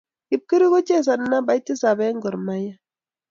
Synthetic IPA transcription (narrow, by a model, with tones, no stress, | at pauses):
i˨p̚ki˦ɾi˦ɣo˦t͡ʃe˦˨s̬a˨n˦na˦ba˨˦i˦ti˦sa˨bɛ˦ŋɡɔ˨ɾma˦ja˦